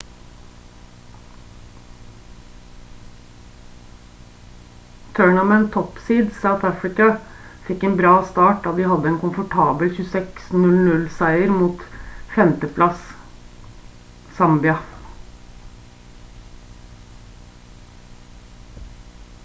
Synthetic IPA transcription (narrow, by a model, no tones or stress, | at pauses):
t̪ʰøːɳɑmɛnt̪ʰɔpsiːd̪sɑːɑt̪ʰæfɹɪkɑfɪkːɛeːnbɾɑːst̪ɑːʈd̪ɑːd̪ɪːhɑd̪ːəɛːnkʰʊnfɔʈʰɑːbəlçʉːsɛksnʉlnʉlsæɪəɾmuːt̪fɛmt̪əpʰlɑs | sɑmbɪɑ